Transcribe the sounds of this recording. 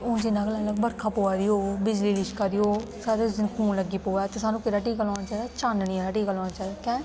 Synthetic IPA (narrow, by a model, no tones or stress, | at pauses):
ʊnd͡ʒɪnãːɡlaːləɡbəɾkʰãːpoːaːɾioːbɪd͡ʒliːlɪʃkaɾioː | saːɾed͡ʒɪkʰuːnləɡiːpoːaːt̪eːsaːnũːkɪɾaːʈiːkalːnaːt͡ʃaːɾaːt͡ʃaːnniːaɾaːʈiːkaloːnaːt͡ʃaːɾaːkɛ̃ː